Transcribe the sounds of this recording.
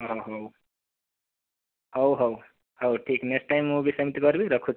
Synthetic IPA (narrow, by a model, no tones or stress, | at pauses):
ɦʌɦʌw | hʌwɦʌw | hʌwʈʰikneksʈajmːubisʌmit̪iɡʌɾbiɾʌkʰu